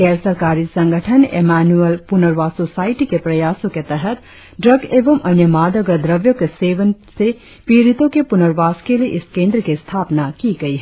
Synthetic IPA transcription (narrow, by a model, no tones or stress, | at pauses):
kɛsɐɾkaːɾisɐ̃ŋɡʱəʈʰənḛmaːnuəlpʊnəɾʋaːsosaːiʈikepɾɐjaːsõket̪ɐɦət̪ | ɖɾəɡeːʋəmʔɐnjəmaːd̪əɡəd̪ɾɐʋjokeseːʋənse | piːɾit̪õkepʊnəɾʋaːskelieʔɪskẽːnd̪ɾəkest̪ʰaːpnakiɡɐiɦ